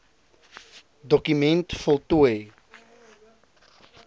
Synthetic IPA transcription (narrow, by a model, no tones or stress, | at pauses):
dɔkymɛntfɔlˠtuəj